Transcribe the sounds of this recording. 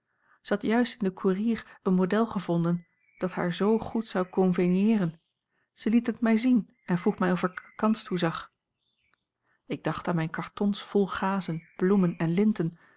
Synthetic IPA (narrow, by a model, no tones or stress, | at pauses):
z̥əhɑtjœɥstɪndəkʰuːriːrənmowdɛlˠχəvɔndən | d̥ɑtha̰ːɹzowχutsɑwkɔnvenjɪːrən | z̥əlitɦətmɛjzin | ɛnvruχmɛjɔfəɹkkːɑnstuzɑχ | ɪɡ̚dɑχtaːnmɛjnkɑɹtɔnsfɔlˠχaːzənb̥lumənɛnlɪntən